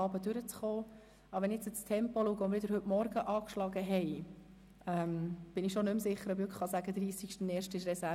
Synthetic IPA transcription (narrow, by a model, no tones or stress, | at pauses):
ɑːbədʉɾət͡sχoː | ɑʋɛnɪɛt͡sət͡stʰɛmpɔluːɡəʊnɾʋɪdəɾɦɵtmɔɾɡəʔɑːkʃlɑɡəɦɛɪ | ɛmb̥ɪnɪʃonʏmsɪχːəɾœbøkχɑsæɡ̥əd̪ɾiːsikʃtənɛːɾʃtɪʃɾɛsæ